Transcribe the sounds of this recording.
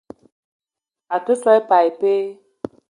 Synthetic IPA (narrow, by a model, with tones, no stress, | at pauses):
a˨tə˦sɔ˦jpa˨jpe˦